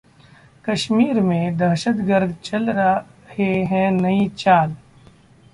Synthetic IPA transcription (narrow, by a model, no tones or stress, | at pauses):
kɐʃmiːɾmẽd̪ɐɾʃət̪ɡəɾd̪t͡ʃɐlɾɐheɦɛ̃nɐĩt͡ʃaːl